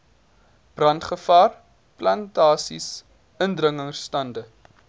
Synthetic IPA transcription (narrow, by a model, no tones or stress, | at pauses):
b̥rɐntχəfɑːr | plɐntɑːsḭs | əndrəŋəŋstɐndə